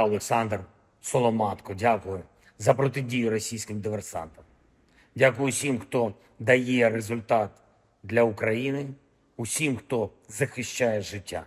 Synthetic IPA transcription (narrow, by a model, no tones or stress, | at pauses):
ɐlˠeksɑnd̪r | sɔlˠɔmɑt̪kɔdʲakʊjʊ | zɐpɾɔt̪ɪdʲijʊɾɔsʲijsʲkɪmd̪ɪʋersɑ̰nt̪ɐm | dʲakʊjʊsʲimxt̪ɔ | d̪ɐjɛrezʊlʲt̪ɑt̪ | d̪lʲɐʊkɾɐjinɪ | ʊsʲimxt̪ɔzɐxɪʃt͡ʃajɛʒɪtʲːa̰